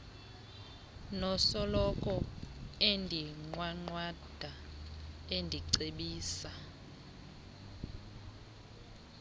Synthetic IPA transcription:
nɔsɔlɔkʼɔendʱiŋ͡ǃwaŋ͡ǃwad̥ʱa | endʱiǀeɓiːsa

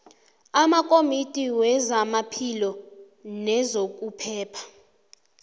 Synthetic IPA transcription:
amakʼomitʼiwɛzamapʰilɔ | nɛzok̬ʼupʰɛːpʰḁ

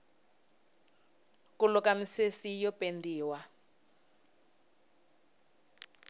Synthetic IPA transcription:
kulʊkʼamisesijɔpʼendiːwa

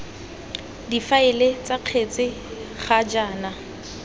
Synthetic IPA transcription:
difaɪlet͡sʼaq͡χʰet͡sʼɪ | χad͡ʒaːna

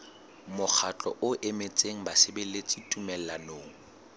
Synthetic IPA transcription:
mʊk͡xʰat͡ɬʼɔ̰ʔʊʔemet͡sʼeŋ̩basɪbelet͡sʼitʼumɛllanoːŋ̩

